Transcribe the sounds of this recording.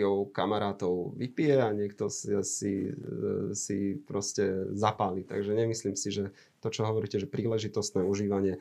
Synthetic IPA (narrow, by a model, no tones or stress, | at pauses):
ɔʊkamaɾaːt̪ɔʊʋipijɛaɲɪɛkt̪ɔssḭ | sipɾɔscɛzapaːlit̪a̰ɡʒɛɲɛmisliːmsiʒɛ | t̪ɔt͡ʃɔɦɔʋɔɾiːcɛʒɛpɾiːlɛʒit̪ɔst̪nɛːuʒiːʋaɲɪɛ